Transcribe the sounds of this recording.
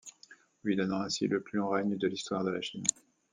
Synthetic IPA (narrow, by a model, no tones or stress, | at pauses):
lɥid̪ɔnɑ̃ɛ̃sḭləplylɔ̃ʁɛɲd̪əlist̪waʁd̪əlaʃin